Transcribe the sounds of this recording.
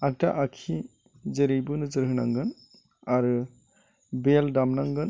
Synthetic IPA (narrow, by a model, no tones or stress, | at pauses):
ak̚taʔakʰi | zeɾijbɯnɯzɯɾɦɯna̰ŋɡɯn | aɾɯ | beldamnaŋɡɯn